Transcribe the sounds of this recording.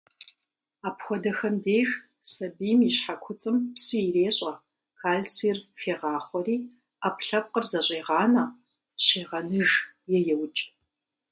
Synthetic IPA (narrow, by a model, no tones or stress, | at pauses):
aːpxʷɔdɐxɐndeːʒ | sɐbiːmiɕħakʷʰʊt͡sʼɨmpsɨːreːɕʼɐ | kʰaːɮt͡sʰiːrfeːʁɑːχʷɔriː | aːpʰɬɐp̚qərzɐɕʷʼeːʁɑːnɐ | ɕeːʁɐnɨʒjɛjɛwt͡ʃʼ